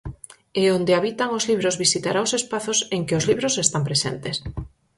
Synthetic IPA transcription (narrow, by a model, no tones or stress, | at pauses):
eond̪eaβit̪aŋozliβ̞ɾozβisit̪aɾaosespaθoseŋkɪozliβɾosest̪ampɾesḛnt̪es